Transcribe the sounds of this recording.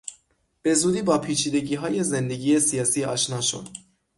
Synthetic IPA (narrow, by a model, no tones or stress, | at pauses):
b̥e̞zuːd̪iːbɒːpʰiːt͡ʃʰiːd̪e̞ɟiːɦɒːje̞ze̞nd̪e̞ɟiːje̞sijɒːsiːɒ̰ːʃnɒːʃo̰d̪̥